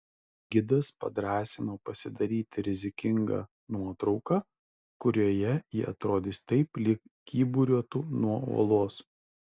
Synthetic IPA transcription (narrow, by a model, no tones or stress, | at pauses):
ɡʲɪd̪ɐspɐ̰d̪ɾɑːsʲɪnoːpɐsʲɪd̪ɐɾʲiːt̪ʲɪɾʲɪzʲɪkʲɪŋɡɑ̰ː | nuɔt̪ɾɒʊkɑː | kʊɾʲoːjɛjɪʔɐt̪ɾoːd̪ʲɪst̪ɐɪplʲɪkkʲiːbuɾʲuɔt̪uːnuɔo̰ɔːlˠoːs